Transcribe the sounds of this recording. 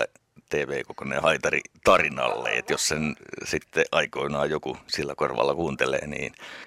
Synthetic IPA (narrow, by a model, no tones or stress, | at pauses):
æ̰ | t̪eːʋeːkokonḛhɑit̪ɑrḭt̪ɑrinɑ̰lːḛḛt̪jossensit̪ːeʔɑikoinɑːjokusilːækorʋɑ̰lːɑkuːnt̪elḛːnḭːn